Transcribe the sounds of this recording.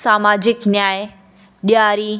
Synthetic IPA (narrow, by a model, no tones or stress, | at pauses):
saːmaːd͡ʑɪknjaːɪ | ɗijaːɾi